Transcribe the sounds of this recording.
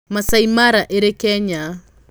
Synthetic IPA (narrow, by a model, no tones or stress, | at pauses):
masaimaɾaʔeɾekɛɲa